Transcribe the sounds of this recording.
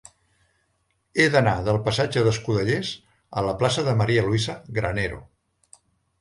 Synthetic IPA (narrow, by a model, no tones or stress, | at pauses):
eðənaðəlˠpəsad͡ʒəðəskuðəʎez | ələplasəðəməɾiəluizəɣɾə̰neɾo̰